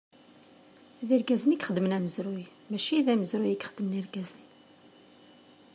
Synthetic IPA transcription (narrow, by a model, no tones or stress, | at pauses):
ðiɾɡæzənikχəd̪ːmənæməzɾʊj | mæʃiðæməzɾʊjikχəd̪ːəmniɾɡæzən